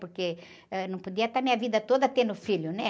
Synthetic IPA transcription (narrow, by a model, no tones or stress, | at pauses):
poɾke | ɛnɐ̃w̃pod̪iɐt̪aɾmĩɲɐvid̪ɐt̪od̪ɐt̪ẽnd̪ʊfiljʊnɛ